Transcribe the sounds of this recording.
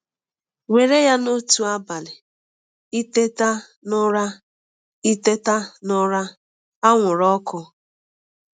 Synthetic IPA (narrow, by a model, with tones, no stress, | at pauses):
we˨ɾe˦ja˦no˦tu˦a˦ba˨lɪ˨ | i˦te˦ta˦ | nʊ˦ɾa˦ | i˦te˦ta˦nʊ˦ɾa˦ | a˦ŋʷʊ˨ɾɔ˦kʊ˦